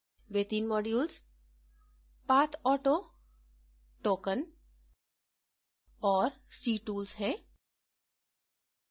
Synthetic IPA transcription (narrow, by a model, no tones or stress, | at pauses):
ʋeːt̪iːnmɔːɖjuːls | paːt̪ʰɔːʈoː | ʈoːkən | ɔːɾsiːʈuːlzɦɛ̃ː